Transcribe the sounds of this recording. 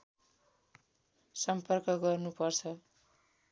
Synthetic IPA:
sʌmpʌrkʌɡʌrnupʌrt͡sʰʌ

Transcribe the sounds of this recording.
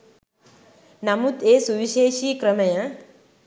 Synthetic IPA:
nɐmut̪eːsuʋiʃeːʃiːkɾɐmɐjɐ

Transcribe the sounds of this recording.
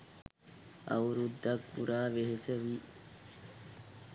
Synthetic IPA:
ɐ̰wɾud̪ːɐkːṵɾʔaːʋeɦesɐʋiː

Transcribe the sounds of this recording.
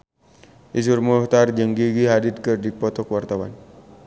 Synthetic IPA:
is̬urmuht̪ard͡ʒəŋɡiɡiɦadid̪̚kərdipɔt̪ɔkwart̪awa̰n

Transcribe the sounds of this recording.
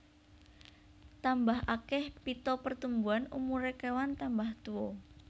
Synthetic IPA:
t̪ambaɦʔakɛhpit̪ɔpərt̪umbuanumuɾekewant̪ambaht̪uɔ

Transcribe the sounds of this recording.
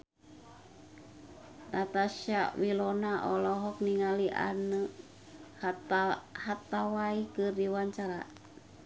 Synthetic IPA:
nat̪aʃawilɔnaʔɔlɔɦɔk̚niŋaliʔa̰nə | h | hat̪awaikɨrdiwaɲt͡ʃaɾa̰

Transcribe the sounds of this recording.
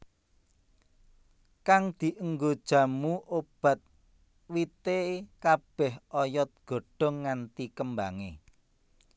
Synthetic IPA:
kaŋd̪̥i̤ʔəŋɡod̥ʒ̥ä̤muʔob̥ä̤t̪̚ | wit̪ekab̥ɛhɔjɔt̪̚ɡ̥o̤ɖ̥ɔ̤ŋːant̪ikəmbaŋḛ

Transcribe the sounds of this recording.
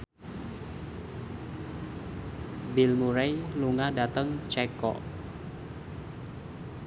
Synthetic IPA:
bɪlmuɾejluŋadat̪əŋt͡ʃɛkɔ̰ʔ

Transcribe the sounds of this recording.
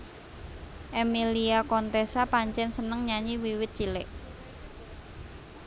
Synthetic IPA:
ʔemiliakɔnt̪ɛsapaɲt͡ʃɛnsənəŋɲaɲiwiwɪt̪̚t͡ʃilɪʔ

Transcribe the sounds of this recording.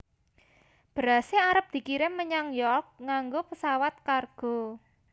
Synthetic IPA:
b̥əɾaseaɾəp̚d̪̥i̤kiɾɪmmːəɲaŋjɔk̚ŋaŋɡopəsawat̪̚karɡ̥o̤

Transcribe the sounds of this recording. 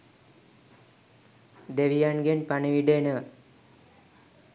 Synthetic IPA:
d̪eʋijanɡenpaɳiʋiɖenəʋa

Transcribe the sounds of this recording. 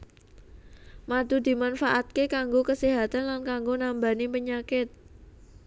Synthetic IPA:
mad̪ṳd̪i̤manfaʔat̪̚kekaŋɡokəseɦat̪anlankaŋɡonambanipəɲakɪt̪̚

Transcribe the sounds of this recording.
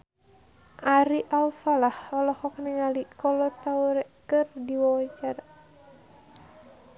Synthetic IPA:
ʔaɾiʔalfalahɔlɔhɔknɛŋalikɔlɔt̪auɾɛkɨrdiwawaɲt͡ʃar

